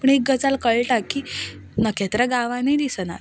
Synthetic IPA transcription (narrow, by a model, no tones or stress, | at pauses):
pəɳek̚ɡət͡salkəɭʈakːi | nəkʰɛt̪ɾaɡaʋãnid̪isna̰ɾ